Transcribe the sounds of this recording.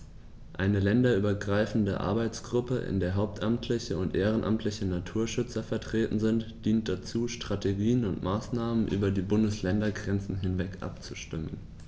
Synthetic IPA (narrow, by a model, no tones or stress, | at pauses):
ʔaɪnəlɛndɐʔyːbɐɡʁaɪfn̩dəʔa̰ɐbaɪt͡sɡ̥ʁʊpəʔɪ̰ndeːɐɦaʊp̚tʔamtʰlɪçəʊntʔeːʁ̞ənʔa̰mtʰlɪçənatʰuːɐʃʏt͡sɐfɛɐtʁ̥eːtn̩zɪntd̥iːnt̚d̥at͡suːʃtʁ̥ateɡiːənʊntmaːsnaːmənʔy̰ːbɐdiːbʊndəslɛndɐɡʁɛnt͡sn̩ɦɪnvɛkʔa̰pt͡suʃtɪmən